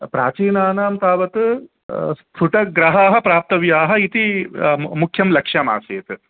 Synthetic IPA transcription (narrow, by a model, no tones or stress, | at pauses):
pɾa̰ːt͡ʃiːnaːnaːmt̪aːʋɐt̪ɨ | st̪ʰuʈɐɡɾɐɦaːɦɐ̆pɾaːp̚t̪ɐʋjaːɦɐit̪i | mukʰjɐmlɐkʂjama̰ːseːt̪ɨ